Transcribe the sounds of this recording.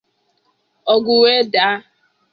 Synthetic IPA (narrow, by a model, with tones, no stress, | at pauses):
ɔ˨ɡʷu˨we˦da˦